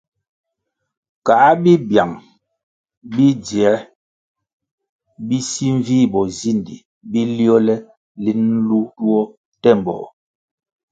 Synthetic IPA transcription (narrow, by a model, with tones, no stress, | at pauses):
ka˨ʔbi˦bja˨ŋ | bi˦djɛ˨˦ | bi˦si˦ɱ˦vi˦bɔ˨zi˦˨ndi˨ | bi˦li˦ɔ˦lɛ˦ | li˦n̩˦lu˦tu˦ɔ˦ | tɛ˦˨m˨bɔ̰˨